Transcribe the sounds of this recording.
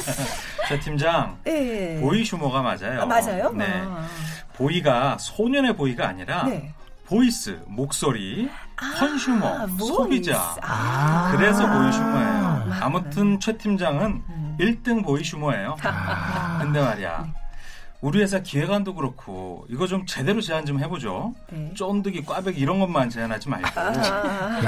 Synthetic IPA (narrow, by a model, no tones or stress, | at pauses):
t͡ɕʰetʰimd͡ʑaŋpoiɕʰumoɣama̰d͡ʑajoad͡ʑajone̞ | poiɡasʰoɲʌne̞poiɡa̰ːɲiɾa | pois͈ɯ̰mok̚s͈oɾihʰʌnɕʰumʌ̰sʰobid͡ʑa̰ | kɯɾe̞sʰʌpoiɕʰumoḛjoa̰mutʰɯnt͡ɕʰwe̞tʰimd͡ʑaŋɯniɭt͈ɯŋpoiɕʰumoejo | kɯnde̞maɾia̰ | uɾie̞s̬ʰakie̞ɡandoɡɯɾʌkʰo̰iɡʌt͡ɕomt͡ɕe̞de̞ɾot͡ɕe̞ɦand͡ʑomhe̞bod͡ʑo | t͡ɕ͈ondɯɡik͈wabe̞ɡiɾʌnɡʌnmant͡ɕe̞anɦad͡ʑima̰ɭk͈o